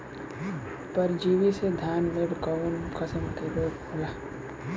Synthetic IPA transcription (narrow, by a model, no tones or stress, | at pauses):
pəɾd͡ʒiːwised̪ʱaːnmeɾkaənkʰəsəmkeɾoːɡoːlaː